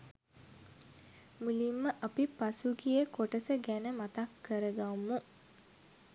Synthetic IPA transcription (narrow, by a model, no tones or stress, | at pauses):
mulimːəʔapipasuɡijəkoʈəsəɡænəmat̪akːəɾəɡamːu